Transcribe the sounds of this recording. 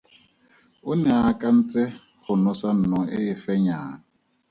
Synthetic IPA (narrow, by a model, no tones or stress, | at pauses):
ʊnɛakʼan̩t͡sʼɛ | χʊnʊsan̩nɔʔɪɪfɛɲaːŋ